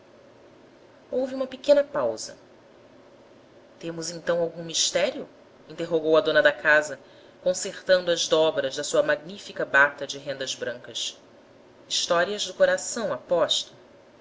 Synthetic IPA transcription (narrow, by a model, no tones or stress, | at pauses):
owviũmɐpekẽnɐpawzɐ̰ | t̪ẽmʊzẽnt̪ɐ̃w̃awɡũmiʃt̪ɛɾiʊ | ĩnt̪eɦoɡowɐd̪õnɐd̪ɐkazɐ | kõseχt̪ɐ̃nd̪ʊɐʒd̪ɔbɾɐzd̪ɐsuɐmaɡnifikɐbat̪ɐd͡ʒɪɦẽnd̪ɐzbɾɐ̃ŋkɐs | iʃt̪ɔɾiɐʒd̪ʊkoɾasɐ̃w̃apɔʃt̪ɐ̥